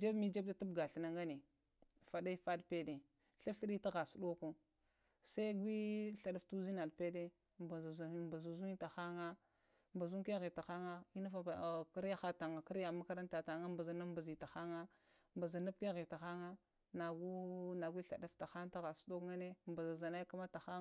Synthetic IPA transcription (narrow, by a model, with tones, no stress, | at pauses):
d͡ʒa˦bmi˦d͡ʒa˦b̚da˦tu˦bɡa˨ɬi˨na˨ŋɡa˦ne˨ | fa˨da˦i˦fa˦dpe˦de˨ | ɬa˦fɬi˦ɗi˦ta˦ɣa˨su˨ɗo˦ku˦ | sa˦i˦ɡʷi˦ɬa˨ɗa˦ftu˦zi˦na˨dpe˦de˦ | mba˨za˨zba˨zu˨zu˦i˦ta˨xa˦ŋa˦ | mba˨zu˦ke˦ɣi˨ta˨xa˦ŋa˦i˦na˦fa˦˨ki˦ɾa˦xa˦ta˨ŋa˨ki˦ɾja˨ma˦ka˦ɾa˦n˦ta˨ta˨ŋa˦mba˨za˨na˦mba˨zi˨ta˨xa˦ŋa˦ | mba˨za˨na˦p̚ke˦ɣi˨ta˨xa˦ŋa˦ | na˨ɡu˦na˨ɡʷi˦ɬa˨da˦fta˨xa˦ŋ˦ta˦ɣa˨su̥˦ɗo˦kŋa˦ne˦mba˨za˨za˨na˦ka˦ma˦ta˨xa˦